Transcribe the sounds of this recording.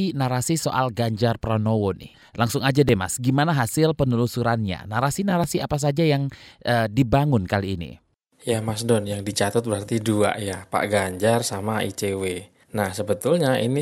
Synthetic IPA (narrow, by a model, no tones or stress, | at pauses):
inaɾasisoʔalɡaɲd͡ʒarpɾanowʊnɪ̰h | laŋsʊŋad͡ʒadema̰sɡimanaɦasɪlpənulusuɾanɲa̰naɾasinaɾasiapas̬ad͡ʒajaŋʔədibaŋʊnkaliːnḭ | jamasdɔnjaŋdit͡ʃat̪ət̪̚bəɾart̪idua̰ʔjapa̰ʔɡaɲd͡ʒarsamaḭt͡ʃewe | nahsəbət̪ʊlɲaini